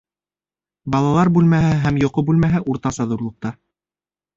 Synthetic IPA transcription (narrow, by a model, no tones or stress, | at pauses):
bɑlˠɑlˠɑɾbʉlmæɦɘæɦæmjŏqobʉlmæɦɘʔuɾt̪ɑsɑðuɾlˠŏq̚t̪ɑ